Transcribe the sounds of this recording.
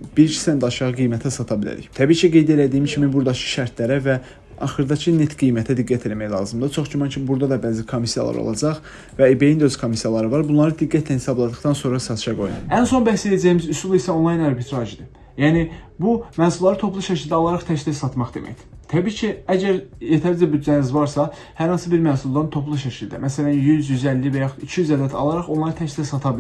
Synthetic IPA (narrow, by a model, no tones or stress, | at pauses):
b̥iɾt͡ʃʰi̥sænd̪ɑʃɑʁɯɡijmæt̪ʰæsɑt̪ʰɑbilæ̰ɾḭçt̪ʰæbiːcʰiɡe̞jd̪e̞læd̪iimcʰimibuɾd̪ɑt͡ʃʰɯ̥ʃæɾt̪ʰlæɾævæ | ɑ̰χɯɾd̪ɑcʰɯnet̪ɡ̥ijmæt̪ʰæd̪iɡːæt̪ʰe̞læmæjlˠɑ̰ːzɯmd̪ɯt͡ʃʰo̞χd͡ʒumɑncʰibuɾd̪ɑd̪ɑbæːzikʰo̞misijɑ̰lˠɑ̰ɾo̰lˠɑ̰d͡ʒɑχ | væibe̞jind̪øzkʰo̞misjɑlˠɑɾɯvɑɾbunlˠɑɾɯd̪iɡːæt̪ʰlænhesɑblˠɑd̪ɯχt̪ɑnso̞nɾɑsɑt̪ʰɯ̥ʃɑɡo̞j̪ɯ̰ænso̞nbæssejæd͡ʒæjimizysulˠisæo̞nlˠɑjnæɾbit̪ʰɾɑːʒid̪i | jæːnibumæːsulˠɑɾɯt̪ʰo̞pʰlˠuʃæcʰilʲd̪æɑlˠɑɾɑχt̪ʰæʃisɑt̪mɑχd̪e̞mæ̰çd̪̥i̥t̪ʰæbiːcʰiæɟæɾjet̪ʰæɾid͡ʒæbyd̪d͡ʒænizvɑɾsɑ | hæɾhɑnsɯbiɾmæːsulˠd̪ɑnt̪ʰo̞plˠuʃæcʰild̪æ̰mæsælænjyzjyzælːivæjɑχicʰijyzæd̪æt̪ʰɑ̰lˠɑɾɑχo̞nlˠɑɾɯt̪ʰæʃsæsɑt̪ʰɑbil